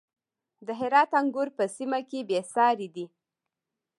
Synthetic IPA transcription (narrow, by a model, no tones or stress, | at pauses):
d̪əɦɪɾɑt̪aŋɡʊɾpəsimakebesɑɾed̪i